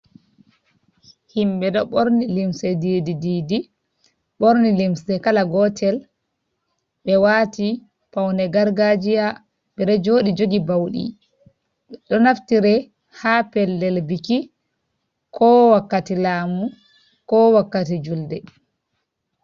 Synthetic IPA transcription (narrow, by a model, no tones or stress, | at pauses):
himbɛɗɔɓoɾnilimsɛdididiːdi | ɓoɾnilimsɛkalaɡɔtʰɛl | ɓɛwaːti | pawnɛɡaɾɡad͡ʒija | ɓɛɗɔd͡ʒoːɗid͡ʒoɡibawɗḭ | ɗɔnaftiɾɛ | haːpɛlːɛlbiki | kʰɔwakːatilaːmu | kɔwakːatid͡ʒuldɛ